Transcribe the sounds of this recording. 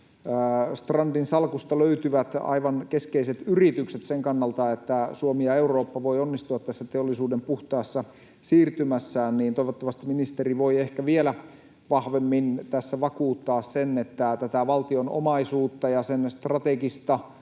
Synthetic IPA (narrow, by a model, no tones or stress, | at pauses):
st̪rɑndinsɑlkust̪ɑløyt̪yʋæt̪ɑ̰iʋɑnkeskeiset̪yrit̪ykset̪seŋkɑnːɑlt̪ɑet̪ːæsuomijɑeuro̞ːpːɑʋoionːist̪uɑt̪t̪ːæsːæt̪eolːisuːdempuht̪ɑːsːɑ | siːrt̪ymæsːæːnniːnt̪oiʋot̪ːɑʋɑst̪iminist̪eriʋoiehkæʋielæ | ʋɑhʋemːint̪æsːæʋɑkuːt̪ːɑːssenet̪ːæt̪æt̪æʋɑlt̪iono̰mɑisuːt̪ːɑjɑsenst̪rɑt̪ekist̪ɑ